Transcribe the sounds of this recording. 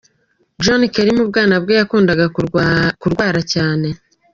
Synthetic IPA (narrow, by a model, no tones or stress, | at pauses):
d͡ʒonikeɾimubɡaːnabɡo̞jakuːndaɡa | kuɾɡwaːɾacaːne̞